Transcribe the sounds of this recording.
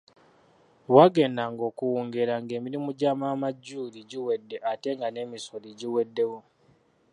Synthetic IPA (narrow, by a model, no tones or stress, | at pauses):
waɡe̞ndaŋɡo̞ːkuwuːŋɡe̞ɾaŋɡe̞ːmiɾimuɟaːmaːmaɟːuːliɟiwe̞dːe̞ʔate̞ŋɡane̞misoliɟiwe̞dːe̞wo